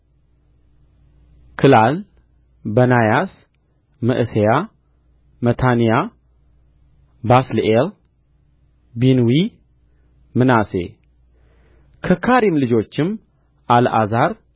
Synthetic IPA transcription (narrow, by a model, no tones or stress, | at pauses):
kʰɨlal | bənajas | mɨʔɨseja | mət̪ʰanija | baslʔel | binwi | mɨnase̞̰ | kʰəkʰaɾimlɨd͡ʒo̞t͡ʃːɪm | ʔalʔa̰zaɾ